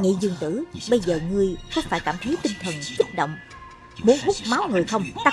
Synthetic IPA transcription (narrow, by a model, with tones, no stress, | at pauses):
ŋḭ˧˨zɨ˧˩ŋt̪ɨ˧˩ɓə˧jzəː˨˩ŋɨ˧əjxɔ˧˦wŋ͡mfaː˧˩jkaː˧˩mt̪ʰə˨˦jt̪ï˧ŋt̪ʰə˨˩nsʊ˦˥t̚ɗo̰˧˨wŋ͡m | mu˨˦ənɦu˦˥k͡p̚ma˨˦wŋɨ˨˩əjxə˧wŋ͡mt̪a˦